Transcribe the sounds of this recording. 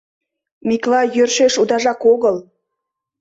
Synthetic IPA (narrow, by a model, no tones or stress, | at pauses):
miklɑjørʃeʃud̪ɑʒɑkoɣəl